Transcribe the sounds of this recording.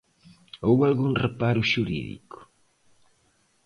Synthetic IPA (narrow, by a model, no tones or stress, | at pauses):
owalɣuŋrepaɾʊʃuɾḭðḭkʊ̥